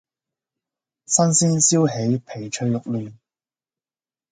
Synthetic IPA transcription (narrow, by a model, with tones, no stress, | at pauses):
sɐ˥nsiː˥nsiː˥wɦe˨˥jpʰe˨˩jt͡ʃʰɵ˧jjʊ˨k̚lyː˨˩n